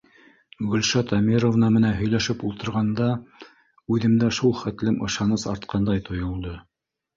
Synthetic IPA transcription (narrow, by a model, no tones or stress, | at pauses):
ɡɵ̆lʲʃɑt̪ɑmʲiɾovnɑmɘ̆nænɦɵ̆jlæʃɘpulˠt̪ɤ̆ɾʁɑnd̪ɑ | ʉðɘ̆md̪æʃulˠχæt̪lɘmʔɤ̆ʃɑnɤsɑɾt̪̚qʰɑnd̪ɑjt̪ʰŏjŏlˠd̪ɤ